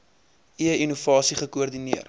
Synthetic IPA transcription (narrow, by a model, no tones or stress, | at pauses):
iəinuvɑːsiχəkuərdiniər